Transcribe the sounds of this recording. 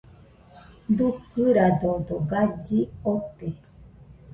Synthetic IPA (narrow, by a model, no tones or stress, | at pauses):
d̪ukɨɾad̪od̪oɡad͡ʒiot̪e